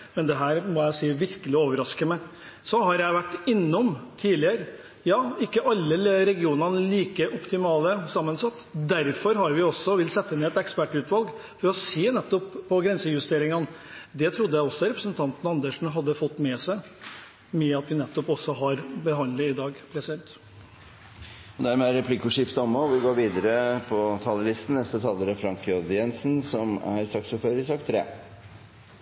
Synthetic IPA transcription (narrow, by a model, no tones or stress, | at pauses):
mɛnd̪ɛɦæːɾmɔjæɪsiːʋɪɾkəlɪoːʋəɾɑskəmə | sɔhɑɾjæɪʋæʈːɪnːɔmt̪ʰiːlɪəɾə | jɑːɪkːəʔɑlːəɾɛɡɪuːnənəliːkəʔɔpt̪ɪmɑːləsɑmːənsɑt̪ːd̪æɾfɔɾɦɑɾʋɪɔsɔʋɪlt̪sɛt̪ːəɪnɛt̪ɛkspæʈːʉːt̪ʋɑlɡfɔɾɔseːnɛt̪ːɔpʰːɔɡɾɛnsəjʉst̪eːɾɪŋɑnd̪ɛt̪ʰɾʊd̪ːəjæɪɔsːɔɾɛpɾəsənt̪ʰɑnt̪n̩əɑnd̪əʂn̩ɦɑd̪ːəfɔt̪ːmɛːsæɪ | mɛɑt̪ʋɪnɛt̪ːɔpɔsːɔɦɑɾbəɦɑnd̪ləɪd̪ɑːɡpʰɾɛsɪd̪ɛnt̪ | ɔd̪æɾmɛæɾɛpʰlɪkʊʂɪft̪əɔmːɔʋɪɡoːɾʋiːd̪əɾəpʰɔt̪ʰɑːləlɪst̪n̩nɛst̪ət̪ʰɑlːəɾəfɾɑŋkʰød̪jɛnsn̩sɔmæ̰ɾsɑk̪̚sfɔføːɾəɾɪsɑk̚t̪ʰːɾḛː